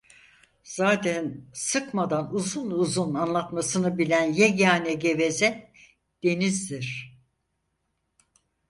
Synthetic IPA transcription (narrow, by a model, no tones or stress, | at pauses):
z̥aːt̪ʰænsɯkmad̪anuzunuzunanlˠat̪masɯnɯbilʲænjeɟaːnɛɟeve̞zɛ | d̪̥e̞nizd̪iɾ̥